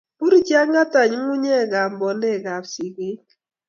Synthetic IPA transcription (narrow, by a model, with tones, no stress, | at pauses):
pu˦ɾi˦t͡ʃja˦ŋa˦ta˨ɲ˦mu˦ɲɛ˦˨ɡa˨mbɔ˨ndɛ˦˨ɡa˨psi˨ɡe˦